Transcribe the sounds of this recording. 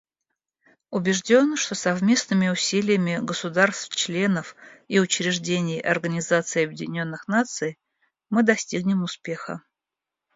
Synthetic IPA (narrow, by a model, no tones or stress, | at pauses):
ʊbʲɪʐdʲo̞nʂt̪o̞sɐvmʲe̞snɨmʲɪʊsʲilʲɪjəmʲɪɡəsʊd̪arst̪ft͡ɕlʲe̞nəfiʊt͡ɕɾʲɪʐdʲenʲɪjɐ̰rɡənʲɪzat̪sɨjɐbʲjɪdʲɪnʲo̞nːɨxnat̪sɨj | mɨd̪ɐsʲtʲiɡnʲɪmʊspʲe̞xə̰